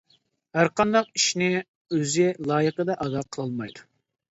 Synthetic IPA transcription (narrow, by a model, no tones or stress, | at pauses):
hæɾqɑnd̪ɑq̚iʃnɪ | øzɪlˠɑːjəqəd̪ɛʔɑd̪ɑqʰəlˠɑlˠmɑjd̪u